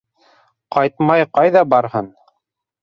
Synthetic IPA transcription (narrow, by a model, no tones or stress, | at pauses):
qɑjt̪̚mɑjqɑjðɑbɑɾhɤn